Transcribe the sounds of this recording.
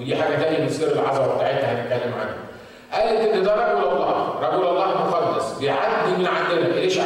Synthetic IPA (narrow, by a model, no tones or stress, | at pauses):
ed̪iːħaːɡæt̪æʔimæsiːɾelʕɑzˤɑbweb̚t̪aʕet̪hæhænet̪̚kælːemʕa̰nho | ʔæːlet̪ʔenːed̪æɾˤɑɡolɑlˤːɑːɾˤɑɡolɑlˤːɑːhemoxɑlːesˤbejʕad̪ːimenʕaʔːelæʔeːʃ